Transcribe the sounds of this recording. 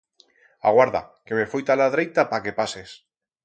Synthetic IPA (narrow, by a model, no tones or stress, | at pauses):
a̰ɣwaɾða̰keβefojt̪alaðɾejt̪apakepases